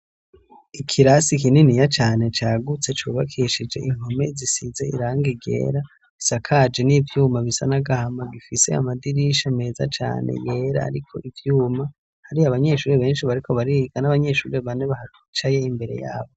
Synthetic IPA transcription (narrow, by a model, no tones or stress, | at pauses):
ikʰiɾasik̬ininijat͡ʃaːne̞t͡ʃaːɡut͡se̞t͡ʃuβakʰiʃid͡ʒe̞̰ʔiŋ̥ho̞me̞zisize̞ḭɾaːŋɡiɡe̞̰ːɾa | isakʰad͡ʒe̞nivjuːmaβisa̰naɡahamaɡifise̞̰a̰madiɾiʃame̞ːza̰t͡ʃa̰ːnḛje̞ːɾa̰ːɾikʰo̞̰ʔivjuːma | haɾiaβaɲe̞ʃuːɾeβe̞ːnʃiβaɾikʰo̞βaɾiɡanaβaɲe̞ʃṵːɾeβaneβaha | t͡ʃaje̞imbe̞ɾe̞̰ja̰ːβo